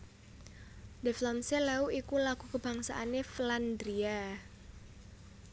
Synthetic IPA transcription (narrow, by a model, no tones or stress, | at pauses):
deflɔmselauʔikulaɡ̥ukəb̥a̤ŋsa̰ʔanefland̪ɾia